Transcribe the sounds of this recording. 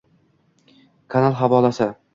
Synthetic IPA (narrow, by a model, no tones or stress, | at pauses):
kʰanalˠɦavɒːlˠasɪ